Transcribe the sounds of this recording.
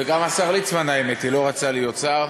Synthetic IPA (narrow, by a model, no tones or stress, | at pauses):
eɡamasaʁlit͡smanaemet̪ilo̞ʁat͡salijot͡saʁ